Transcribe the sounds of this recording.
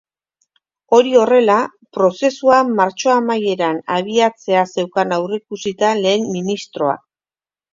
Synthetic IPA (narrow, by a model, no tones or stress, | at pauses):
o̞ɾio̞re̞la | pɾo̞se̞suamaɾt͡ʃo̞amaje̞ɾanaβ̞iat͡se̞ase̞wkanawrekusit̪ale̞ːmːinist̪ɾo̞a̰